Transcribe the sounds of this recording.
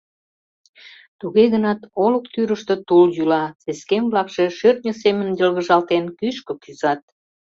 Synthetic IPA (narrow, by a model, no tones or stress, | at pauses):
t̪uɣeɣənɑt̪oləkt̪yɾəʃt̪ə̆t̪uljylɑt͡seskemβlɑkʃeʃørt̪̚nʲəsemənjəlɣə̆ʒɑlt̪enkyʃkəkyzɑt̪̚